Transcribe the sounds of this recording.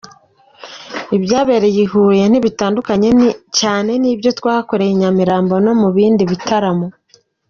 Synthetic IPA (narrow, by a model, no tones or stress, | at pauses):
ibɟaːβe̞ɾejihuje̞n̥iβitaːndukaɲe̞caːne̞nibjo̞twaːhako̞ɾejiɲamiɾaːmbo̞no̞muβiːndiβitaɾamo